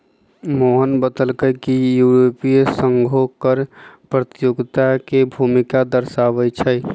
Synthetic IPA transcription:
moɦənbəd̪əlkəjkijuɾopisəŋɡʱokəɾpɾət̪juɡt̪akebʱumikad̪əɾsaʋəjt͡ʃʰəj

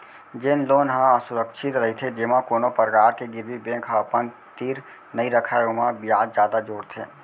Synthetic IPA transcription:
d͡ʒɪnloːnɦãəsʊɾəkʃɪt̪ɾəɦit̪ʰed͡ʒemãkoːnopəɾkaːɾkeɡɪɾwibẽːkʰɦəpən | t̪iːɾ | nəɦĩɾəkʰaːeomãbɪjaːd̪d͡ʒjaːd̪ad͡ʒoːɽt̪ʰeː

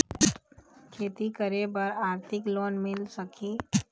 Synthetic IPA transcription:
kʰeːt̪ikəɾebəɾaːɾt̪ʰɪkloːnmɪlsəkʰiː

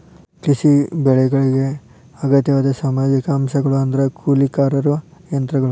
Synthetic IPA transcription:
kɾisibɛɭɛɡɐɭiɡe̞ | ɐɡɐt̪jɐʋaːd̪ɐsɐmaːd͡ʒikɐɐmʃɐɡɐɭuɐnd̪ɐɾɐkʰuːlikaːɾɐɾuʋɐjɐnt̪ɾɐɡɐɭu

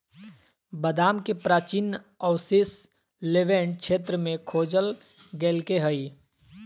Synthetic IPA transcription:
bəd̪aːmkepɾaːt͡ʃin | ɔwsɪs | leːʋẽɳɖ̚kʃʰeːt̪ɾəmẽkʰoːd͡ʒəl | ɡeːlkeɦəi

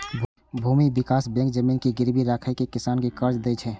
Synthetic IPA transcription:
bʱuːmibɪkaːsbɛ̃ŋkd͡ʒəmiːnkiɡɪɾbʱiɾaːkʰajkekɪsaːnkekəɾd͡ʒd̪et͡ʃʰɛ

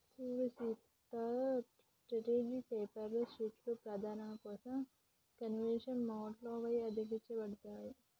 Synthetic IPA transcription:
suːɾusiːt̪ɐ | sʈɾɐʈeːd͡ʒikpeːpɐɾlosiːʈlopɾɐd̪ʱaːnɐmɐkɔːsɐm | kɐnʋenʂɐnmoːɖloːʋɐjɐd̪ɐɡit͡ʃːɐbɐɽut̪aːji

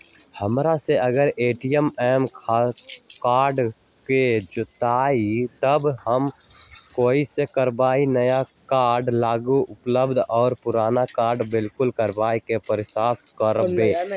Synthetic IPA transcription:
həmɾaseəɡəɾeːʈijəmɛːmkʰakaːɾɖ | ked͡ʒʊt̪aːit̪əbhəm | koːisekəɾbaːinəjakaːɾɖlaːɡuʊpləbd̪ʱɔːɾpʊɾaːnakaːɾɖbɪlkʊlkəɾbaːikepəɾɪsaːskəɾbeː

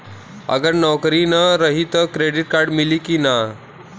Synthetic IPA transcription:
ə̰ɡəɾnɔwkɾinəɾəɦit̪əkɾeɖiʈ̚kaɾɖmiliːkina

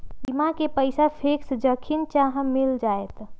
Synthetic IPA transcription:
imãkepəɪsapʰeːksd͡ʒəkʰint͡ʃaɦãmɪld͡ʒaːet̪

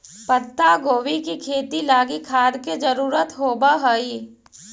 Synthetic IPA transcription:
pət̪ːaɡoːwikikʰeːt̪ilaːɡikʰaːd̪ked͡ʒəɾuːɾət̪ɦoːbaɦəi

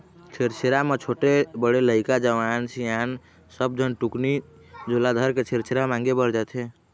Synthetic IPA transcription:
t͡ʃʰeɾt͡ʃʰeɾamet͡ʃʰoʈebəɽeləɪkad͡ʒəʋansijan | səb̚d͡ʒʱənʈukni | d͡ʒolad̪ʱəɾket͡ʃʰeɾt͡ʃʰeɾamãŋɡebəɾd͡ʒat̪e

